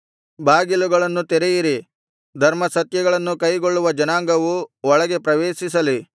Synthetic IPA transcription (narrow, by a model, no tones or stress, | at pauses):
baːɡiluɡɐɭɐnːut̪ɛɾejiɾi | d̪ʱɐɾmɐsɐt̪jɐɡɐɭɐnːukɐjɡo̞ɭːuʋɐd͡ʒɐnaːŋɡɐʋuɔɭɐɡe̞pɾɐʋeːʃis̬ɐli